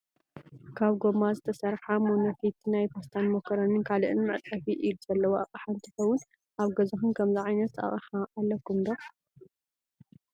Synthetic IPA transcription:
kʰaβɡo̞mazɨt̪ʰɐsɐɾħamonɐfit̪ʰnajpast̪ʰanmokʰːɐɾɐnɨnkʰalɨʔɨnmɨʕt̪ʼːɐfiʔiluz̥ɐlːɐwoʔaχʼħaɨnt̪ʰɨxɐwʊn | ʔaβɡɐzɐxɨnkʰɐmziʕajnɐt̪ʔa̰χʼħaʔːlːɐkːumd̪o

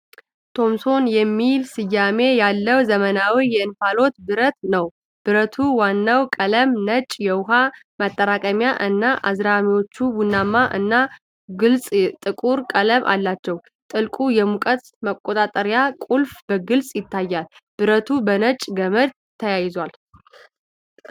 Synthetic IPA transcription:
t̪ʰo̞mso̞njɛmːilsɨjːame̞jalːəwzəmənawijɛɨnfalo̞t̪bɨɾət̪nəw | b̥ɨɾət̪ʰuwanːawkʼələmnət͡ʃʼjɛwʊɦa | mat̪ʼːəɾakʼəmjaʔɨnːaʔa̰zɾamiwo̞t͡ʃːubunːamːaʔɨ̰nːa | ɡɨlsʼt̪ʼɨkʼuɾkʼələmʔa̰lːat͡ʃːɛw | t̪ʼɨlkʼujɛmukʼət̪ | məkʼːo̞t̪ʼat̪ʼəɾjakʼulfb̥əɡɨlsʼjɪt̪ʰːajːalb̥ɨɾət̪ʰubənət͡ʃʼɡəməd̪ | t̪ʰːəjajɪzal

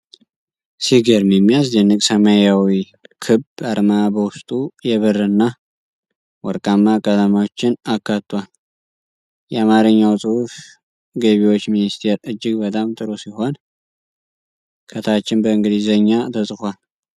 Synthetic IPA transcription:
siɡəɾmjɛmːijasd̪ɛnːɨkʼsəmajawi | kʰɨbaɾmabəwʊst̪ʼujɛβɨrːɨnːa | wɔɾkʼamːakʼəd̪amawot͡ʃːɪnakːat̪ːwal | jɛamaɾɨɲːawsʼɨhuf | ɡeβiwo̞t͡ʃːminist̪ʰe̞ɾɨd͡ʒːɪɡbət̪ʼamt̪ʼɨɾosiho̞n | kʰət̪ʰat͡ʃːɪnbəɨŋɡɨd̪izəɲːat̪ʰəsʼɨkʷal

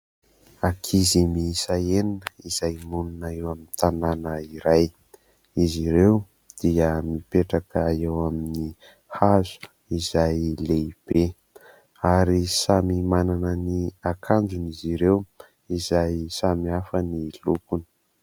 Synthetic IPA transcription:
akʰizimiisaeninəiz̥ajmununaewamint̪ananəiɾaj | iziɾew | d̪̥iəmipeʈ͡ʂakəaewamini | hazu̥ | izajleib̥e | aɾisamimananəniakʰand͡ʒuniziɾew | izajsamiafənilukuni̥

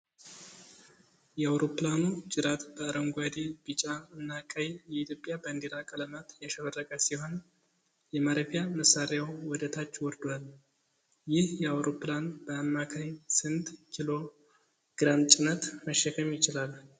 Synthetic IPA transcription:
jɛawɾo̞pːlanud͡ʒɨɾat̪b̥əɾəŋɡʷad̪ib̥it͡ʃʼaɨnːakʼəjjɛit̪ʰjo̞pʼjabənd̪eɾakʼələmat̪jɛʃəβərːəkʼəsiho̞n | jɛmaɾəfijaməsaɾjawwɔd̪ət̪ʰat͡ʃːwɔɾd̪wal | jɪhjɛawɾo̞pːlanb̥əamːakʰaɲsɨnd̪kʰilo̞ | ɡ̥ɾamt͡ʃʼɪnət̪məʃːɛkʰəmjɪt͡ʃɪlal

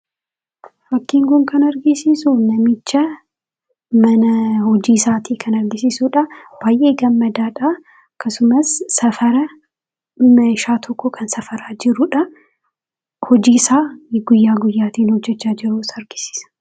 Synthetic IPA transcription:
fɐkːiːŋɡʊŋkɐnɐɾɡɪsisunɐmɪt͡ʃːɐ | mɐnɐhɔd͡ʒiːsaːt̪ʰiːkʰɐnɐɾɡɪsisuːᶑɐbaːjʔeːɡɐmːɐd̪aːᶑaː | ɐkːɐsʊmɐsːɐfɐɾɐ | mɐɪʃaːt̪ʰɔkːɔkʰɐnsɐfɐɾaːd͡ʒɪɾʊᶑɐ | hɔd͡ʒiːsaːɡʊjːaːɡʊjːaːt̪iːnhɔd͡ʒːɛt͡ʃːaːd͡ʒɪɾusɐɾɡɪ̥si̥ːsɐ̥

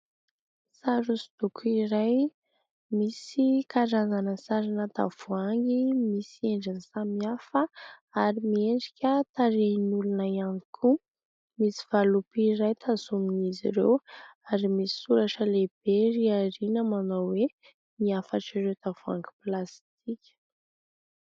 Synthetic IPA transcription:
saɾusi̥d̪̥ukʰuiɾaj | misikaɾazanəsaɾinət̪a̰v̥uaŋɡimisieɳɖ͡ʐansamiafəaɾimieɳɖ͡ʐikʲət̪aɾenulunajaŋikʰu | misi̥v̥alupiɾajt̪ʰazuminizḭɾḛwaɾimisi̥suɾaʈ͡ʂəleb̥eɾiaɾinəmanawwe | miafaʈ͡ʂiɾewt̪av̥ua̰ŋɡi̥plast̪ikʲə̥

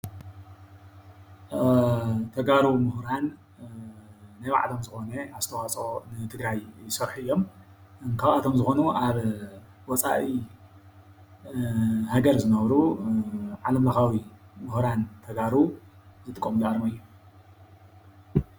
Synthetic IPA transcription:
t̪ʰɐɡaɾumʊhɾan | ajwa̰ʕt̪ʰomzɨxo̞nɐaz̥t̪ʰɐwat͡sʼo̞nɨt̪ʰɨɡɾajsɐɾħuɨjːo̞m | ɨŋkʰaβʔat̪ʰomzɨxo̞nuʔaβ | wɔt͡sʼa̰ʔi | haɡɐɾzɨnɐβɾu | ʕalɐmlɐxawimɨhɾant̪ʰɐɡaɾuzɨt̪ʼɨkʼːomuzɨʔaɾmɐɨjːu

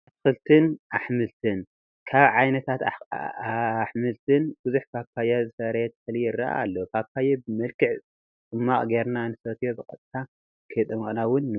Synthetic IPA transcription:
at̪ʰɨ̥xɨlt̪ʰɨnʔaħmɨlt̪ʰɨn | kʰaβʕajnɐt̪ʰat̪ | ħmɨlt̪ʰɨnb̥ɨzuħkʰapʰːajazɨsɐɾɐt̪ʰɐ̥xlijɪrːa̰ʔa̰ːlːokʰapʰːajebɨmɐlkɨʕ | t͡s̪ʼɨmːaχʼɡeɾnanɨsot̪ʰjo̞bɨkʼɐ̰t̪ʼt̪ʰa | kʰɐjt̪ʼɨmɐχʼnawʊnːɨ

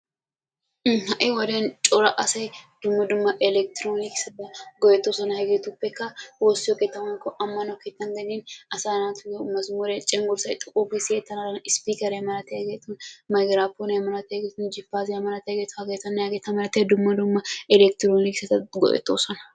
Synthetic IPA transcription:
hɐʔewɐdent͡ʃʼɔɾɐʔɐsɐjd̪̥ʊmːɐd̪ʊmːɐʔɛlɛk̚t̪ɪɾoːniksɐt̪ɐɡɔʔɛt̪ːosɐnɐhɐɡet̪upːɛkːɐwosɪhoket̪ːɐmɐnkɔʔɐmːɐnɐket̪ːɐŋɡɐninɐsaːnaːt̪ʊnɐmːɐzʊmɔɾet͡ʃʼɛŋɡʊɾsɐjt̪ʼʊkʼːuːfiseːt̪ːɐnɐɾɐnɪspiːkɐɾemɐlɐt̪ɛɡeːt̪ːunmɐɡɾaːpːonɐmɐɾɐt̪ːɐɡet̪ʊnd͡ʒɪpːaːzɪjɐmɐlɐt̪ɐɡet̪ʊ̥hɐɡet̪ɐnːɐɐɡet̪ːɐmɐlɐt̪ːɛd̪ʊmːɐd̪ʊmːɐɛlɛk̚t̪ɪɾoːniksɐt̪ɐɡɔ̰ʔɛ̰t̪ːo̰ːsɐnɐ

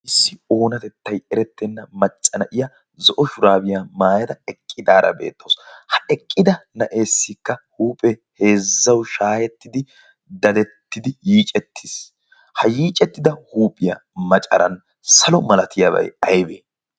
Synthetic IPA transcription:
ʔɪsːɪo̞ːnɐt̪ɛt̪ːɐjɛɾɛt̪ːɛnːɐmɐt͡ʃʼːɐnɐʔɪjɐ | zɔʔɔʃʊɾaːbɪjaːmaːjɐd̪ɐɛkʼːɪd̪aːɾɐ̰be̞̰ːt̪ːowshɐɛkʼːɪd̪ɐnɐʔe̞ːsːɪkːɐhuːpʼɛhe̞ːzːɐwʃaːjɛt̪ːɪd̪ɪ | d̪ɐd̪ɛt̪ːɪd̪ɪjiːt͡ʃʼɛt̪ʰːɪs | hɐjiːt͡ʃʼɛt̪ːɪd̪ɐhuːpʼɪjɐ̰mɐt͡ʃʼɐ̰ɾɐn | sɐlɔmɐlɐt̪ʰɪjabɐ̰jɐjbeː

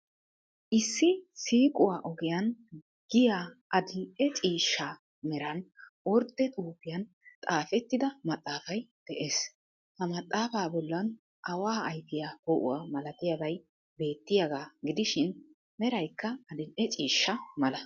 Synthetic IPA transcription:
ʔɪsːɪsiːkʼʊwaːʔɔɡɪjɐn | ɡ̥ɪjaːʔɐd̪ɪnʔɛt͡ʃʼiːʃːa | mɛɾɐnwɔɾd̪ɛt̪ʼuːpːɪjɐn | t̪ʼaːfɛt̪ːɪd̪ɐmɐt̪ʼːaːfɐjd̪̥ɛʔeːs | hɐmɐt̪ʼːaːfaːbɔlːɐn | ʔɐwaːjt̪ːɪjaːhɔʔʊ̰wamɐlɐt̪ɪjabɐj | be̞ːt̪ːɪjaɡaːɡɪd̪ɪʃɪn | mɛɾɐjkːɐːd̪ɪnʔɛt͡ʃʼiːʃːɐmɐlɐ

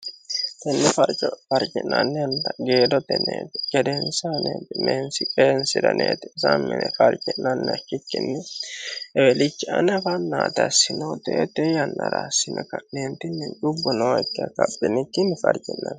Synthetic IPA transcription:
t̪ɛnːɛfɐɾt͡ʃʼɔfɐɾt͡ʃʼɪ̰nːɐ̰nːɛɐnd̪ɐɡeːd̪ɔt̪ɛnḛːt̪ɪ̥ɡ̥ɛd̪ɛnsanet̪ɪmeːnsɪkʼeːnsɪd̪ɐ̰nʔḛːt̪ɛsa̰mːɛ̰nɛfɐɾt͡ʃʼɪnːɐnːɛɐkːɪkːɪ̰nːɛ | ɛwɛlɪt͡ʃːɪʔɐ̰nɐfɐnːaːt̪ɐsɪnoːt̪et̪ɛjɐnːɐ̰ɾa̰ːsɪnʔɐkɐʔneːnt̪ɪnːɛnt͡ʃʼʊbːɔnoːɪkːɪɐkɐ̰pːɪnɪkːɪnɛfɐɾt͡ʃʼɪnːɐ̰n

